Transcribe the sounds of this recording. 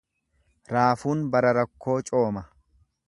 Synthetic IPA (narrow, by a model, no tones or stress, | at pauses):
ɾaːfuːnbɐɾɐɾɐkʰːo̞ːt͡ʃʼo̞ːmɐ